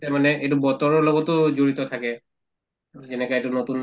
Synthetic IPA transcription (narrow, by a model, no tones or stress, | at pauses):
tɛmanɛejt̬ubɔtɔɹɔɹlɔɡɔtʊzoɹitɔtʰakɛ | zɛnɛkɔaɛtunotun